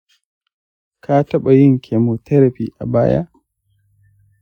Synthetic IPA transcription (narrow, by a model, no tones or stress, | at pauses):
kʰaːtaɓajiŋkʰɛmotɛɾapiʔa̰ba̰ːja̰